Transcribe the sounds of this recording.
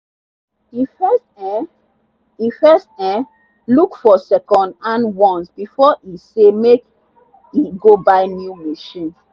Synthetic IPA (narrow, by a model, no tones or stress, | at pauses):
ifɛstɛ | ifɛstɛ̃ | lukfɔsɛkɔ̃ndãnwɔ̃nsbifɔʔisemek | iɡobaɪnjumiʃĩn